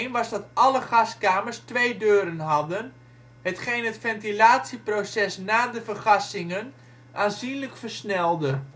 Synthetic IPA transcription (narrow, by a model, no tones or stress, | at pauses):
nʋɑzdɑtɑləχɑskaːmərstʋejdøːɾənɦɑdən | hətχejnɦətfɛntilaːtsiprosɛsnaːdəfərχɑsɪŋən | ʔaːnzinləkfərsnɛlˠdə